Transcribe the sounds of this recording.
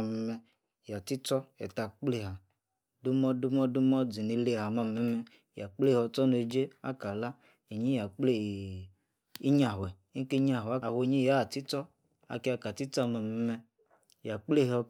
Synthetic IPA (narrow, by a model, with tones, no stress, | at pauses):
mɛ˧˦mɛ˧ | ja˨ti˦t͡sɔ˦ɛ̰˨ta˨k͡ple˦˨ɦa˨ | du˦mɔ˦du˦mɔ˦du˦mɔ˦d͡zi˨ne˧le˦˨ha˨ma˧mɛ˨˦mɛ˧ | ja˨k͡ple˦hɔ˧t͡sɔ˦no˧˨d͡ʒe˦a̰˦ka˨la˦ | e˨ɲi˦ja˨k͡ple˦˨ | i˦ɲa˨ɦwɛ˨˦ke˦ɲa˨ɦwo˨ɲĩ˦ja˦˨ti˦t͡sɔ˦ | a̰˨ke˦a˧ka˨ti˦t͡sa˦˨ma˨mɛ˨˦mɛ˧ | ja˨k͡ple˦˨ɦɔ˧